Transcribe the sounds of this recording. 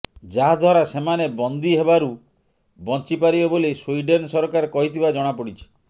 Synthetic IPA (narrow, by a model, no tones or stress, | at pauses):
d͡ʒaɦad̪ʱwaɾasemanebɔnd̪iɦebaɾu | bɔnt͡ʃipaɾibebolesuiɖensɔɾɔkaɾkɔɦit̪ʰibad͡ʒɔɽ̃apɔɽit͡ʃʰi̥